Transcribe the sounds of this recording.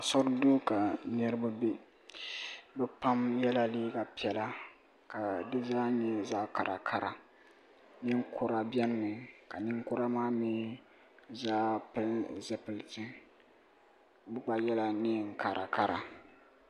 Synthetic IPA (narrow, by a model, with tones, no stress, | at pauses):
sɔ˦ɾdo˦ka˨nɨ˦ɾɨ˦ba˦be˦ | bɛ˦pa˦mjɛ˦la˦liː˦ɡa˨pi˦ɛ˨la˦ | ka˨dɨ˦zaː˦ɲɛ˦za˦ka˨ɾʔa˨kʰa˦˨ɾa˨ | nɪ˦ŋ˦kʊ˦ɾa˦bjɛ˦n˦nɨ˨ka˨nɪ˦ŋkʊ˦ɾa˦maː˦mi˦ | zaː˦pɨ˦lzɛ˦pɨ˨ltɨ˦ | bɨ˦k͡pa˨jɛ˦la˦nɪ˦˨ŋ̩˨ka˨ɾʔa˨ka˦ɾa̰˨